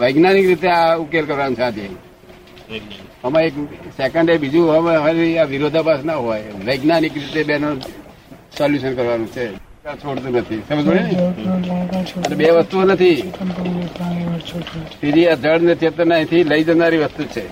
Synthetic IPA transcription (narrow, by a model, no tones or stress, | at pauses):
ʋəjɡnanikɾit̪eaukelkəɾʋanũt͡ʃʰad̪ʱie | əmãeksekəɳɖebid͡ʒũəmemaɾiaʋɪɾod̪ʱapasnaɦojʋəjɡnanikɾit̪ebenu | sɔljuʃənkəɾʋanũt͡ʃʰe | kat͡ʃʰoɽt̪ũnət̪ʰisəməd͡ʒoɽin | nbeʋəst̪uonət̪ʰi | a | t̪id͡ʒiad͡ʒəɽnət̪ʰiɦət̪ənajt̪ʰiləid͡ʒənd̪aɾiʋəst̪ut͡ʃʰe